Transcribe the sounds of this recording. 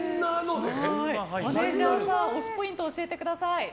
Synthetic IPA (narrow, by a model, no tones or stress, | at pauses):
nanod̪eeioneziβãsãoɕi̥po̞ĩnt̪oːɕie̞t̪e̞kɯ̟d̪asai